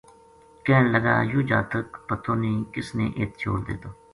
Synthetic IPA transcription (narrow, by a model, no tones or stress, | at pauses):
kɛːɳləɡa̰ːjuːd͡ʒa̰ːt̪əkpət̪ʰːoːniːkɪsnḛ̃ːʔeːt̪̚t͡ʃʰo̰ːɽd̪ḛːt̪oː